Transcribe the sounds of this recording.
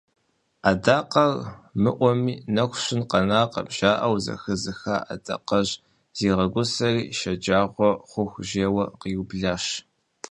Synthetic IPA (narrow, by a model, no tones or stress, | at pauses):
adaːqɐrmɨʔʷɔmiːnɐxʷɕɪnqɐnaːqɐ̰bʒaːʔɐwzɐ̰xɨzɨxa̰ːʔa̰dɐ̰qɐʑ | z̥iːʁɐɡʷʊsɐriːʃɐd͡ʒaːʁʷɔχʷʊxʷʒeːwɐqiubɮaːʃ